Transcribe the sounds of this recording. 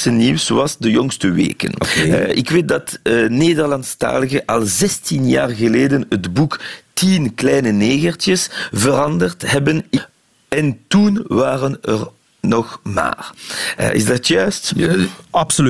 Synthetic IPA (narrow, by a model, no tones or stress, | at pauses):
səniwsowɑsdəjɔŋstəʋḛːkə̰nʔɪkweːt̚dɑtneːdərlɑnsta̰ːləɣəʔɑlˠzɛstinja̰ːrɣəleːdənədbuktinklɛjnəneːɣərtjəsvəɾɑndərtɦɛbən | ɛntunʋaːrənər | nɔxma̰ːr̰ɪ̰zdɑtjœːst | ɑpsoy